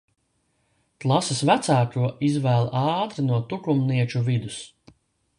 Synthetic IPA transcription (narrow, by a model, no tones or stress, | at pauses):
k̪lˠasɐsvæt̪saːkuɔizvæːlˠʔɑːt̪ɾinuɔt̪ukumniɛt͡ʃuvid̪us